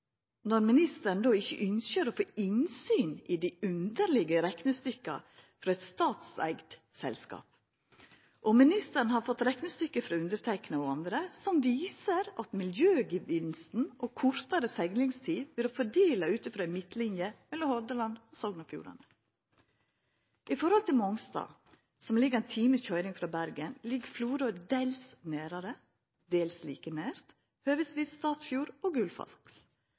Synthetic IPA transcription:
nɔɾmɪnɪst̪əɾn̩d̪oːɪçə̰ʔʏnsəɾofoːʔɪnsyːnɪd̪iʉnd̪əɾɭɪɡəɾɛknəst̪ʏkːɑ̰fɾɑɛɪt̪st̪ɑːt̪sæ̰ɪɡt̪ | sɛ̰lskɑ̰ːp | ʔɔmɪnɪst̪əɾɳ̩hɑɾfɔt̪ːɾɛknəst̪ʏkːəfɾɑːʉnd̪əɾt̪ʰɛɪknəoɑnd̪ɾəsɔmʋiːsəɾɑt̪mɪljøːɡɪʋɪnst̪n̩ʔoːkʰʊɾt̪ɑɾəsɛɡnɪŋst̪ʰiːbɪloːfɔɖiːlɑʉːt̪əfɾɑːɛnmɪt̪lɪnjəmɛlːɔmhɔɾd̪əlɑnosɔɡnɑfjṵːɾɑ̰nə | ɪfɔɾhɔlt̪ʰɪlmɔŋst̪ɑ̰ː | sɔmlɪɡəɾɛnt̪ʰiːməskhœʏɾɪŋfɾɑːbæɾɡənlɪɡfluːɾoːd̪eɪlsneːɾɑɾə | d̪eːlslḭːkəneːɾt̪ | høːʋəsʋiːsst̪ɑːt̪fjuːɾoːɡʉlfɑ̰sks

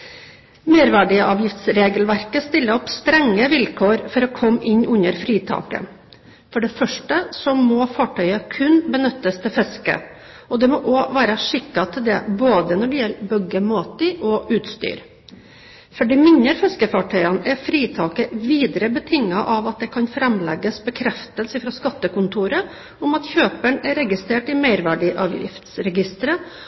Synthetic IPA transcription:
meːɾʋæːɖɪəʔɑːʋjɪft̪sɾeːɡəlʋæɾkəst̪ɪlːəɔpst̪ɾɛŋːəʋɪlkʰoːɾfɔɾɔkʰɔmːʔɪɲʉnəɾfɾiːt̪ʰɑ̰ːkə̰ | fɔɖɛfœʂʈəsɔmɔfɑːʈʰœʏɑkʰʉnbənʉt̪ːəst̪ʰɪlfɛskə̰ | ɔd̪ɛmɔʔɔːʋæːɾɑʂɪkːɑt̪ʰɪld̪ɛ̰boːd̪ənɔɖɛjɛlːbœɡəmoːt̪ɪʔɔʔʉːt̪st̪y̰ːɾ | fɔɖɛmɪnəɾfɛskəfɑʈʰœʏɑnɛɾfɾiːt̪ʰɑːkəʋiːd̪ɾəbət̪ʰɪŋːɑʔɑʋɑt̪̚d̪ɛkʰɑnfɾɛmlɛ̰ɡːəsbəkʰɾɛft̪əlsəfɾɑskɑt̪ːəkʊnt̪ʰuːɾə | ʊmɑt̪çøːpəɳɛɾɛɡɪst̪ɾeːʈɪmæɪɾʋæɖɪʔɑ̰ːʋjɪ̰ft̪sɾɛɡɪst̪əɾə

